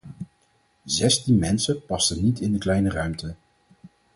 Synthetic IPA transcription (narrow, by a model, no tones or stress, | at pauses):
zɛstinmɛnsəpɑstənitɪndəklɛjnərœɥmtə